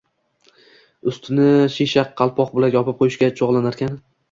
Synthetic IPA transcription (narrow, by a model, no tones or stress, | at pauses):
ʊst̪ʰɪnɪʃiʃaqʰːɑlˠpʰɒqbʊlakʲjɒpɪp̚qʰojɪʃkʲat͡ʃʰoʁlˠanaɾkʲʰan